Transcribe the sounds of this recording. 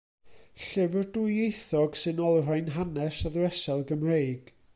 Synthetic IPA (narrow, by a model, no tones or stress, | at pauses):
ɬɪvərdujejθɔɡ̥sɨnɔlˠr̥ajnɦanɛsaðrɛsɛlˠɡəmrejɡ̥